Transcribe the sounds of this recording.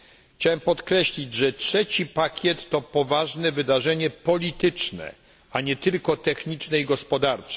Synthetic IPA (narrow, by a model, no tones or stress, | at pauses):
t͡ɕawɛmpɔt̪kɾɛɕlʲid͡ʑʐɛtʂɛt͡ɕipakʲjɛt̪ːɔpɔvaʐnɛvɘd̪aʐɛɲɛpɔlʲit̪ɘt͡ʂnɛ̰ | aɲɛt̪ɘlkɔt̪ɛxɲit͡ʂnɛiɡɔspɔd̪aɾt͡ʂɛ̥